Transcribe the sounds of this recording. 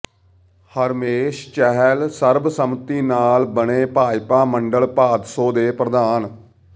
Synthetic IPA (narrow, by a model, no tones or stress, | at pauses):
həɾmeːʃt͡ʃɛɦɛlsəɾbsəmt̪iːnaːlbəneːpaːjpaːməɳɖəlpaːd̪soːd̪eːpɾəd̪aːn